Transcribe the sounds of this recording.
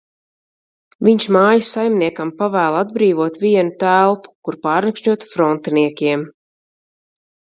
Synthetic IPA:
viɲʃmaːjasajmniɛkampavæːlˠad̪̚bɾiːvuɔt̪viɛnut̪ælˠpu̥kuɾpaːɾnakʃɲuɔt̪fɾɔnt̪niɛkʲiɛm

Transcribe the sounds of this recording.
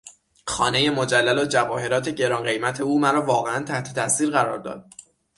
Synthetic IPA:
xɒːne̞je̞mo̞d͡ʒælːælod͡ʒævɒːhe̞ɾɒːt̪ʰe̞ɟe̞ɾɒːnɢe̞jmæt̪ʰe̞uːmæɾɒːvɒːɣeænt̪ʰæht̪ʰe̞̥t̪ʰæsiːɾɣæɾɒ̰ːɾd̪ɒ̰ːd̪̚

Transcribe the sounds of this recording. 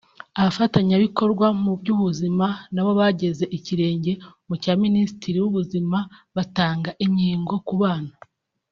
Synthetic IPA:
aβafataɲaβiko̞ɾɡwamubɟuβuzimanaβo̞βaɟe̞ze̞ʔiciɾe̞ːɲɟe̞mucaːminisi̥tiɾiwuβuzimaβataːŋɡaʔiɲiːŋɡo̞kuβaːna

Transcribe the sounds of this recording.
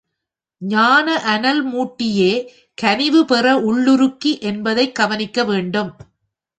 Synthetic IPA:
ɲaːnɐʔɐnɐlmuːʈːɪjeː | kɐnɪʋɯpɛrɐʔʊɭːɯɾɯkːiʔɛnbɐðɐɪkɐʋɐnɪkːɐʋeːɳɖɯm

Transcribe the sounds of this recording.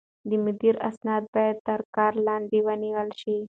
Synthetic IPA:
d̪iməd̪iɾɐ̰snat̪̚bat̪t̪əɾkaɾland̪iʋaniʋalɕi

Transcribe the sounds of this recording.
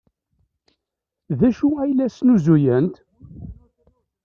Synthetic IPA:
ðæʃuæjlæsnuzujænt̪

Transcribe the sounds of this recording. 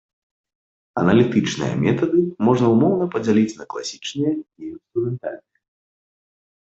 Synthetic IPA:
ɐ̰nɐlʲit̪ɨt͡ʂnɨ̰jɐ̰mʲɛt̪ɐd̪ɨmɔʐnɐumɔwnɐpɐd͡zʲalʲit͡sʲnɐklˠa̰sʲi̥t͡ʂnɨjɛinst̪ɾumʲɛnt̪a̰lʲnɨjɛ

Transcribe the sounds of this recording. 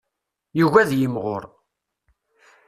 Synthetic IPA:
juʝæðjəmʁo̰ɾ

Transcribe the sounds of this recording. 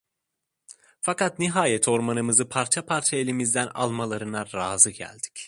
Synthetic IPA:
fakat̪niɦaːjɛt̪ʰo̞ɾmanɯmɯzɯpʰaɾt͡ʃʰapʰaɾt͡ʃʰaelʲimizd̪æna̰lˠmalˠaɾɯnaɾaːzɯɟæ̰lʲd̪̥i̥c

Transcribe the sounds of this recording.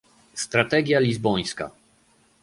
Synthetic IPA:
st̪ɾat̪ɛɡʲjalʲizbɔj̃ska̰

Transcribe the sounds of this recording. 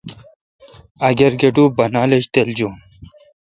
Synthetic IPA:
ɐɡeɾɡeɖuːbɐnaːleɕt̪eld͡ʑuːn

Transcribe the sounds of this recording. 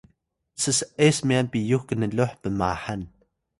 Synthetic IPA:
t͡səsesmijanpijuxkənəloħpəma̰ħan

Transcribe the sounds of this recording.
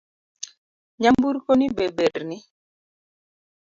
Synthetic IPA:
ɲambuɾkonibebeɾnɪ

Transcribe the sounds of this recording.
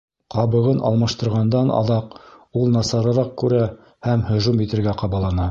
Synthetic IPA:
qɑβɤ̆ʁɤnʔɑ̰lˠmɑʃt̪ɤ̆ɾʁɑnd̪ɑnʔɑ̰ðɑqulˠnɑsɑɾɤ̆ɾɑq̚kʉɾæ | hæmhɵ̆ʒumjɘ̆t̪ɘ̆ɾɡæqɑβɑlˠɑnɑ

